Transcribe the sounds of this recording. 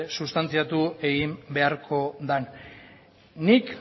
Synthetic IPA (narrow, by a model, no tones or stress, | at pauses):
sust̪ant͡siat̪ue̞ɣimbe̞aɾkʰo̞d̪an | nːik